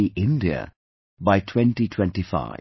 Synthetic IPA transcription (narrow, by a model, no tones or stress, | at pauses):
iʔɪ̃nɖiə̰ | baɪʈʰwɛ̃nʈiʈʰwɛ̃nʈifa̰ɪ